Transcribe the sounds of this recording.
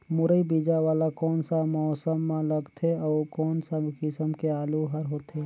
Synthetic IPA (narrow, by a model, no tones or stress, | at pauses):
mʊɾəibiːd͡ʒaʋaːlakɔːnsamɔːsəmːãləɡt̪ʰeɔːkɔːnsakɪsəmkeaːluɦəɾɦoːt̪e